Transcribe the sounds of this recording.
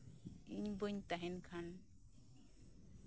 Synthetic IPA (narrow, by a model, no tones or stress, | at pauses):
iɲbuɲt̪aɦɛnkʰan